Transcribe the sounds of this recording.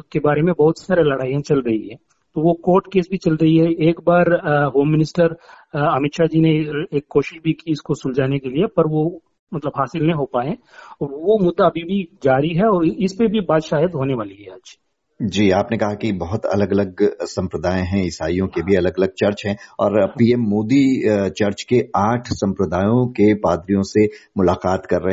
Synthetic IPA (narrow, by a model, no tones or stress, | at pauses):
ʊkebaːɾemẽbɐɦʊt̪saːɾelɐɽaːiɦɛ̃t͡ʃɐlɾɐɦiɦɛː | t̪oʋokoːɾʈkeːsbʱit͡ʃɐlɾɐɦiɦɛeːkbaːɾɦoːmːɪnɪsʈəɾɐmɪt̪ʃad͡ʒiːneeːkːoːʃɪʃbʱikiɪskosʊld͡ʒaːnekeliepɐɾʋo | mɐt̪ləbɦaːsɪlnɐĩɦopaːẽ | ɔːɾʋomʊd̪ːaːbʱibʱid͡ʒaːɾiɦɛɔːɾɪspebʱibaːd̪ʃaːjəd̪ɦoːneʋaːliɦɛaːd͡ʒ | d͡ʒiːaːpnekɐɦakibɐɦʊt̪ɐ̰ləɡɐləɡsɐ̃mpɾəd̪aːẽɦɛ̃ɪsaːijõkebʱiɐləɡɐləɡ̚t͡ʃɐɾt͡ʃɦɛ̃ɔːɾpiːɛmːoːd̪it͡ʃɐɾt͡ʃkeaːʈʰsɐ̃mpɾəd̪aːjõkepaːd̪ɾijõsemʊlaːqaːt̪kɐɾːɐɦ